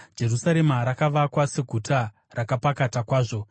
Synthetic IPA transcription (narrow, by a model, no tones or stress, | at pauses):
d͡ʒe̞rusaɾe̞maɾakaʋakwase̞ɡʱutʰa | rakapakatakwaːʐo̞